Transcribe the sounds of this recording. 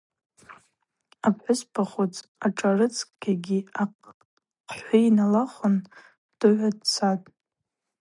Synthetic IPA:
apʰħʊspʰaχot͡sʰʼaʈ͡ʂʼarɨt͡sʰʼkʼɡʲaɡʲiaq | qʰħʷainalaχʷʊn | d̥ɨʕʷadt͡sʰatʼ

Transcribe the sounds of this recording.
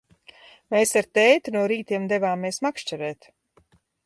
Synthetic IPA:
meːsaɾt̪ɛjt̪unuɔɾiːt̪iɛmd̪ɛvaːmeɛsmakʃt͡ʃɛɾɛːt̪

